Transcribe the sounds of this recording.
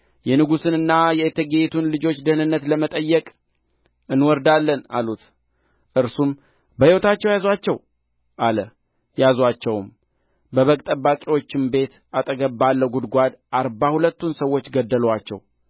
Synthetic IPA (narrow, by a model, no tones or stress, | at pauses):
jɛnɨɡusɨnɨnːajɛet̪ʰːəɡet̪ʰunlɨd͡ʒo̞t͡ʃːd̪ənɨnːət̪ləmət̪ʼəjːɛkʼ | ɨnwɔɾd̪alːəna̰lut̪ | ʔɨɾsum | bəhiwɔt̪at͡ʃːɛwjazwat͡ʃːɛw | ʔalə | jazwat͡ʃːɛwm | bəβəkʼt̪ʼəbːakʼiwo̞t͡ʃːɪmbe̞t̪ | at̪ʼəɡəbːalːəɡud̪ɡʷad̪ʔaɾbahulət̪ːunsəwːo̞t͡ʃːɡəd̪ːəlwat͡ʃːɛ̰w